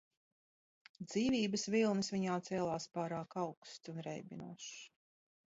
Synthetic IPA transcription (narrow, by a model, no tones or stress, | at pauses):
d̪z̥iːvʲiːbəsvilˠnɨsvʲiɲaːt̪sɛːlˠaːspaːɾaːkawkst̪unɾɛ̰jbʲinṵɔʃ